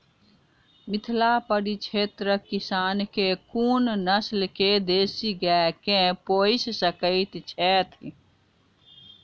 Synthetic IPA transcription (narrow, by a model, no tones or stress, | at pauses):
mɪt̪ʰlapəɽit͡ʃʰeːt̪ɾəkɪsaːnkekuːnnəslked̪eːsiɡɛkẽpoːɪssəkəɪt̪t͡ʃʰɛːt̪ʰ